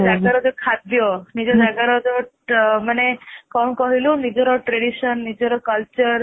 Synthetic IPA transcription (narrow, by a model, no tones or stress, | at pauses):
naɡəɾɔd͡ʒokʰad̪jonid͡ʒonaɡəɾɔd͡ʒo | mənekɔ̃kɔɦilũnid͡ʒɔɾoʈɾeɽiʃənːid͡ʒɔɾokəlt͡ʃəɾ